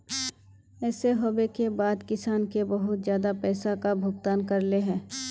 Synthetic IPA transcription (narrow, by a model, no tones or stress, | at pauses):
ɛːseɦoːbekebaːd̪kɪsaːnkebɐɦʊt̪zjaːd̪apɛːsakabʱʊɡt̪aːnkɐɾleɦɛ̃ː